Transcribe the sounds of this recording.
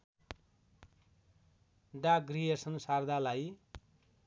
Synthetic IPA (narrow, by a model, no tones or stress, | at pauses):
ɖaɡriesʌnsard̪ʱalaj